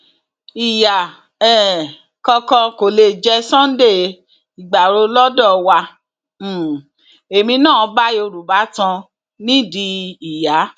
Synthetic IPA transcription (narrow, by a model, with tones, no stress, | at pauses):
i˨ja˨ | ɛ˨ | kɔ˧kɔ̃˧ko˨le˧˨d͡ʒɛ˧˦sɔ̃˦n̩˦de˦˨ | i˨ɡ͡ba˨ɾo˧lɔ˦dɔ˦˨wa˧˨ | e˨mĩ˧nãː˦˨˧ba˦i˦o˧ɾu˨ba˨˦tã˧ | nĩ˦di˧i˨ja˨˦